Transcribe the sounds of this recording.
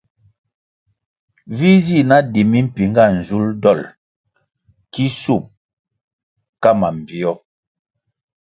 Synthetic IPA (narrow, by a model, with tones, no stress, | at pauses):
vi˦zi˦˨na˦di˨mi˦m̩˦pi˨ŋɡa˦˨n̩˨zu˦ldɔ˦˨l | ki˦su˦˨m̚ | ka˦ma˨m̩˨bi˨ɔ˦